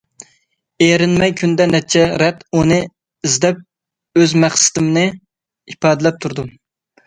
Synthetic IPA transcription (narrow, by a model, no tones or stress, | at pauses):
eɾɪnmɛjkʲʰynd̪ɛnɛt͡ʃʰɛɾɛt̪unɨ | izd̪ɛp̚ | øzmæχsɪ̥t̪ɪmnɨ | ipɑːd̪ɪlɛp̚t̪ʰuɾd̪u